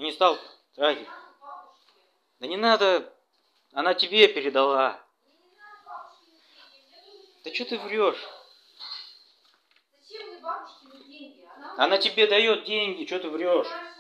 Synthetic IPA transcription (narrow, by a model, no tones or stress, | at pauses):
jnʲɪst̪alˠ | d̪ɾaɡʲɪ | d̪̥ənʲɪnad̪ə | ɐnatʲɪbʲe̞pʲɪɾʲɪd̪ɐlˠa | d̪̥ət͡ɕot̪ɨvrʲoʂ | ɐnatʲɪbʲe̞d̪ɐjo̞t̪̚dʲenʲɡʲɪt͡ɕot̪ɨvɾʲo̞ʂ